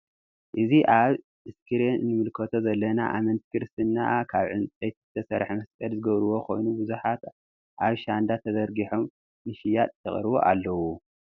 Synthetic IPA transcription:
ʔɨziʔaβ | ɨskʰɨɾenɨnɨmɨlkʰɐt̪ʰozɐlːɐnaʔamɐnt̪ʰi̥kɨɾɨst̪ʰɨnːa̰kʰaβʕɨnt͡sʼet̪ɨt̪ʰɐsɐɾħmɐskʼɐlzɨɡɐβɾɨwo̞kʰo̞jnubɨzuħat̪ | ʔaβʃand̪at̪ʰɐzɐɾɡiħomː | ɨʃijat̪ʼt̪ʰːɐχʼɾɨβo̰ʔa̰lːɐwu

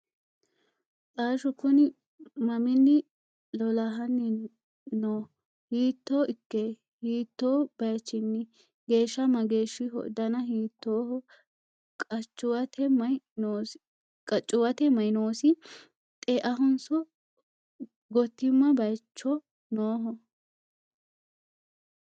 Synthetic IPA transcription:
t͡sʼaːʃɔkʊnɪ | mɐmɪnːɪ | lɔlɐɦɐnːɪ | noː | hiːt̪ːoːʔɪkːe | hiːt̪ːoːb̥ɐjt͡ʃːɪnːɪ | ɡe̞ːʃːɐmɐɡe̞ːʃːɪɦɔ̰d̪ɐnɐhiːt̪ːoːhɔ | kʼɐt͡ʃʼːʊwɐt̪ʰɛmɐjnoː | kʼɐt͡ʃʼːʊwɐt̪ɛmɐjnoːsɪ | t̪ʼeːʔɐɦɔnsɔ | ɡɔt̪ːɪmːɐbɐjt͡ʃːɔ | noːɦɔ

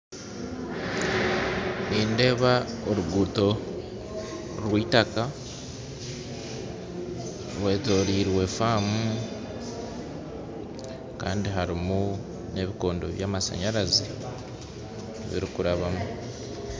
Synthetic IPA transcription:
niːnde̞ːβaoɾuɡuto̞ | ɾwiːtaka | βwe̞ːto̞ːɾiːɾwe̞faːmu | ka̰ːndiɦaɾimu | ne̞βiko̞ːndo̞̰βjaːmasa̰ɲaɾazi | βḭɾikuɾaβamu

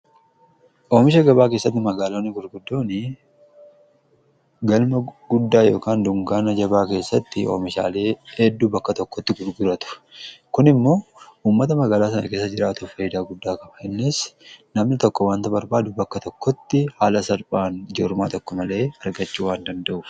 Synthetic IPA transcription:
ʔoːmɪʃɐɡɐbaːk̬eːsːɐt̪ːɪmɐɡaːloːnːɪɡʊɾɡʊd̪ːoːnɪ | ɡɐlmɐɡʊd̪ːaːjo̞ːkaːnd̪ʊŋɡaːnɐd͡ʒɐbaːke̞ːsːɐt̪ːɪʔo̰ːmɪʃa̰ːle̞ːhɛd̪ːubɐkːɐt̪ɔkːɔt̪ːɪɡʊɾɡʊɾɐt̪ʊ̥kʊnɪmːo̞ːʔuːmːɐt̪ɐmɐɡaːlaːs̬ɐnɐ̰ke̞ːsːɐd͡ʒɪɾaːt̪ʊfɐjɪd̪aːɡʊd̪ːaːkɐbɐhɛnːɪsnɐmnɪt̪ɔkːɔwaːnt̪ɐbɐɾbaːd̪ʊbɐkːɐt̪ɔkːɔt̪ːɪhaːlɐsɐɾpʼaːnd͡ʒɔɾma̰ːt̪ɔkːɔmɐle̞ːɐɾɡɐt͡ʃːuːwaːnd̪ɐnd̪ɐʔʊf

